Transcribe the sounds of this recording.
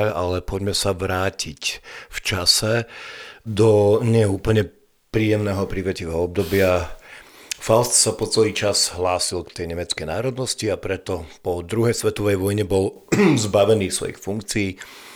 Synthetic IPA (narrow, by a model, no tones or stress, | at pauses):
a̰lɛpɔɟmɛsaʋɾaːcicft͡ʃasɛ | d̪ɔɲɪɛɛuːpl̩ɲɛ | pɾiːjɛmnɛːɦɔpɾiʋɛciʋɛːɦɔɔb̚d̪ɔbɪa | falst̪sapɔt͡sɛliːt͡ʃazɦlaːsilkt̪ɛjɲɛmɛt͡skɛjnaːɾɔd̪nɔsciapɾɛt̪ɔpɔd̪ɾuɦɛjsʋɛt̪ɔʋɛjʋɔjɲɛbɔl | zbaʋɛniːsʋɔ̰jḭxfuŋkt͡siː